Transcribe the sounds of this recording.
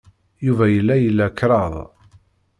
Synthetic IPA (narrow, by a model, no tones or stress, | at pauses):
juvæjəlːæjəlːækːɾˤɑðˤ